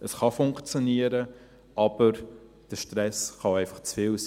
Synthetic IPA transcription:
əsχɑfʊŋkt͡sjoniəɾə | ʔɑb̥əɾ | d̥əʃtɾɛsχɑɛɪfɑχt͡sfɪːls

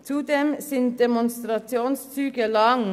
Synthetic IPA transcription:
t̪ʰuːd̪ɛmsiːnd̪ɛmʊnst̪ɾɑtɪuːnst̪ʰyːkəlɑŋ

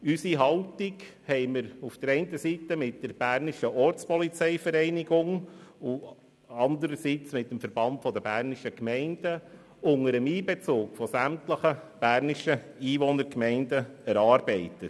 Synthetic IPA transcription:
ysiɦɑltiɡhɛɪməɾufd̥əɾɛɪntəsitəmɪt̚d̥əɾb̥æːɾniʃəʔɔɾt͡spɔlit͡sɛɪfəɾɛɪniɡʊŋʊ | ɑnd̪əɾəsit͡smɪt̚ːəmfəɾb̥ɑntfɔd̪əbæːɾniʃəkmɛɪnd̥ə | ʊŋəɾəmiːbɛt͡soːkfɔsæmtləχəb̥æːɾniʃə | iːʋɔnəɾkmɛɪndəɛɾɑːɾbɛɪtə

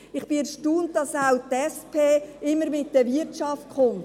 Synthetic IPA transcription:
ɪχb̥ɪɛɾʃtuːnt̚d̥ɑsawtɛspʰeːɪmːəɾmɪtdəvɪt͡ʃɑft̚χʊn

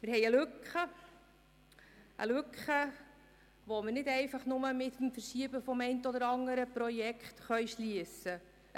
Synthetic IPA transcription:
mɪɾɦɛɪjəlʉkχə | ʔə̰lʉkχə | ʋoməɾnɪdɛɪfɑχnʊməmɪt̪mfəɾʃiəbəfɔmɛɪntəɔd̪əɾɑŋəɾəpɾɔjɛkχtχœɥʃliəsə

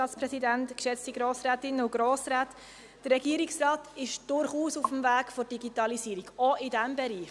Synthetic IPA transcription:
ɑːtspɾɛsidæntkʃɛt͡stiɡɾoːsɾæːtɪnəʊɡ̥ɾoːsɾæːt | d̥ərːɛɡiəɾiksrɑːtɪʃd̥ʊɾχuːsufəmvæːɡ̥fɔɾd̥iɡitɑlisiːɾiɡɔɪdæmbɛɾiː

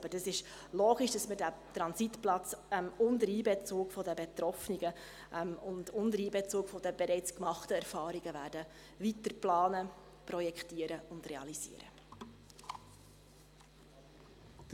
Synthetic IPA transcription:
bəd̥ɑsɪʃ | loːɡ̥iʃd̥ɑsmədæt̪ɾɑnsitplɑt͡sɛmʊndəɾiːbɛt͡suːkfɔdəbɛt̪ɾɔfniɡə | ʔɛmʊndʊndəɾiːbɛt͡suːkfɔd̥əb̥ɛɾɛɪt͡skmɑχtəɛɾfɑːɾiɡəvæːɾdə | vitəɾplɑːnə | prɔjɛkχtiːəɾəʊndrɛɑ̰liz̥ḭːəɾə̰

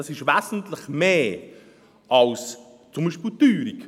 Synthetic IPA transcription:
ɑsɪʃvæzn̩t̪ləχmeː | ʔɑls | t͡sʊmbiʃpilt̪yːɾik

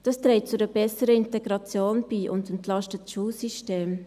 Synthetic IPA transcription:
d̥ɑstɾɛːt̚t͡sudəbɛsəɾəɪntɛɡɾɑt͡sjoːnb̥iːʔʊndɛntlɑstətʃuːlsiʃteːm

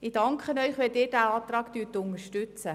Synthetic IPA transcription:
ɪd̥ɑŋkχənœʏχʋɛldɪːɾd̥æɑːt̪rɑːkt̪yːtʊnəʃtʉt͡sə

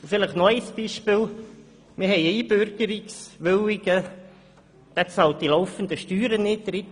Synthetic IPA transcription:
fɪləχnɔɪsb̥iːʃpɪːl | mɪhɛɪiːb̥øɾɡ̥əɾɪksʋøwɪɡ̥ə | d̥ɛt͡sɑlt̚dilɔʊfənd̪əʃtyːɾənɪtd̥əɾɪt

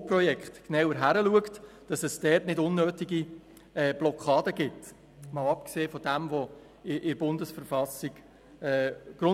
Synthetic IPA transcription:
prɔjɛkχtknawəɾɦæɾəluəktd̥ɑsɛsd̥ɛːtnɪdʊnːøːtiɡi | ɛːb̥lɔkʰɑːdəɡɪt | mɑʊɑpkseːfɔdæmʋo | ɪʔɪɾb̥ʊndəsfəɾfɑsiɡ̥ | ɛːɡ̥ɾʊ

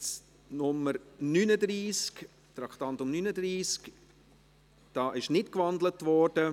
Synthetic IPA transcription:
t͡s | nʊməɾnyːnəd̪ɾiːsk | t̪ɾɑkχt̪ɑntʊmnyːnəd̪ɾiːsk | d̥ɑːʔɪʃnɪtkvɑndlətʋɔːɾd̥ə

